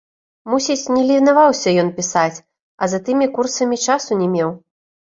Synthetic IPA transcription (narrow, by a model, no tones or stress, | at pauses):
musʲit͡sʲnʲɛlʲivʲinavawsʲɐjɔnpʲisat͡sʲ | ɐzat̪ɨmʲikursɐmʲit͡ʂasunʲɛmʲɛw